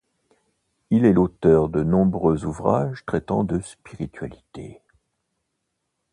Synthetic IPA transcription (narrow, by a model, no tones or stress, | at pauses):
ilɛlot̪œʁd̪ənɔ̃bʁøzuvʁa̰ʒt̪χɛt̪ɑ̰̃d̪əspiʁit̪ɥa̰lit̪e